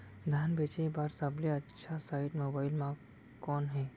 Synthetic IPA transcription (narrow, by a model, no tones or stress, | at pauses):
d̪ʱaːnbeːt͡ʃebaːɾsɐbleɐtːʃʰasaːɪʈmoːbaːɪlmã | kːɔːnɦɛː